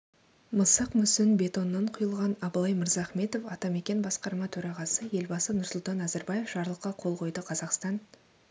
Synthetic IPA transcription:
məsəqmʏsɪnbe̞t̪o̞nːɑɴqʰʊjəlˠʁɑnɑblˠɑjməɾzɑːχme̞t̪o̞fɑt̪ɑme̞kʲe̞nbɑsqɑɾmɑt̪ʰɵɾɑʁɑsəje̞lbɑsənʊɾsʊlˠt̪ɑnæzæɾbɑje̞fʒ̥ɑɾlˠəqːɑqʰo̞lˠqʰo̞jd̪əqʰɑzɑqst̪ɑn

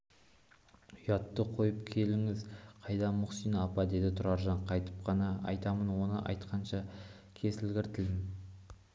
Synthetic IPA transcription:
ʊjɑt̪ːəqʰo̞jəp̚kʲʰe̞lɪŋɪzqʰɑjd̪ɑmʊqsijnɑpɑd̪e̞d̪ɪt̪ʰʊɾɑɾʒɑɴqʰɑjt̪əp̚qɑnɑɑjt̪ɑmənwo̞nəʔɑ̰jt̪qɑnʃɑ | kʲʰe̞sɪlɡʲɪɾt̪ʰɪlmɪ

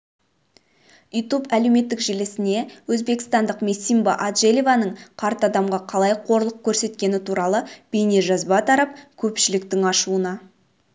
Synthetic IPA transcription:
ujt̪upæle̞wme̞t̪ːɪkʒelɪsɪne̞wɵzbe̞kɪ̥st̪ɑnd̪əqmesimbɑʔad̪ʒelʲivanəɴqʰɑɾt̪ɑd̪ɑmʁɑqʰɑlˠɑjqʰo̞ɾlˠəq̚kʲʰɵɾse̞t̪kʲe̞nɪt̪ʰuɾɑlˠəb̥ejne̞ʒɑzbɑt̪ʰɑɾɑp̚kʲʰɵpʃɪlɪkt̪ɪŋɑʃuənɑ

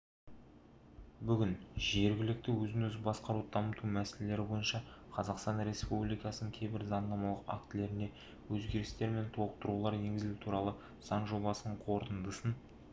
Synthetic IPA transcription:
bʏɡʲɪnʒe̞ɾɡʲɪlɪk̚t̪ɪwɵzɪnɵzbɑsqɑɾud̪d̪ɑmət̪umæsele̞le̞ɾɪbo̞jənʃɑqʰɑzɑqst̪ɑnɾe̞spublijkɑsənəŋkʲʰejbɪɾzɑnd̪ɑmɑlˠəqa̰kt̪ɪle̞ɾɪne̞ | wɵzɡʲe̞ɾɪst̪e̞ɾme̞nt̪ʰolˠəq̚t̪əɾulˠɑɾje̞ŋɡʲɪzɪlut̪ʰuɾɑlˠə | sɑɴʒo̞bɑsənəɴqʰo̞ɾt̪ənd̪əsən

